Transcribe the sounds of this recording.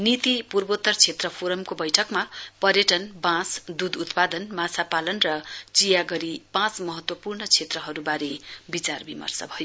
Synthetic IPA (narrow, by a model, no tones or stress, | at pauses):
nit̪ipurbot̪ːʌrt͡sʰet̪rʌpʰoɾʌmkobʌjʈʰʌkmapʌrjʌʈʌnbãsd̪ud̪ut̪pad̪ʌnmasʰapalʌnrʌt͡sijaɡʌɾipãt͡smʌɦʌt̪wʌpurnʌt͡sʰet̪rʌɦʌɾubaɾebit͡sarbimʌ̰rsʌ̰bʱʌjo